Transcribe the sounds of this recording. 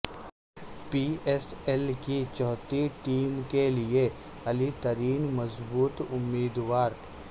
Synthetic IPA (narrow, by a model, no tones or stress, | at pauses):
piːesɛlkit͡ʃɔːt̪iʈiːmkelɪe | ɐlit̪əɾiːnmɐzbuːt̪ʊmːiːd̪waːɾ